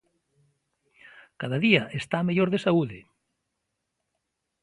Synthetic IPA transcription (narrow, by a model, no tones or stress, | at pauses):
kaðaðiaʔest̪ameʎoɾðesauðɪ